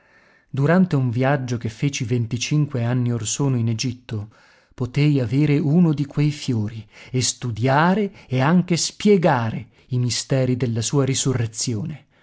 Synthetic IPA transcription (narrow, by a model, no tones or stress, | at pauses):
d̪uɾant̪euɱvjad͡ʒːok̟efːeːt͡ʃivent̪it͡ʃiŋkweanːiorsoːnoined͡ʒit̪ːo | pot̪ejaveːɾeunod̪ikʰwejfjoːɾiest̪ud̪jaːɾeeaŋk̟espjɛɡaːɾe | imist̪ɛːɾid̪elːasuːaɾisurːet̪sːjoːne